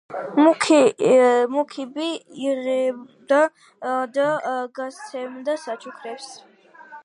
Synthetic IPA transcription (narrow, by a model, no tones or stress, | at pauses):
mkʰ | mukʰibiːʁɛd̪a | d̪aɡasʰɛmd̪asat͡ʃʰʼukʰɾɛps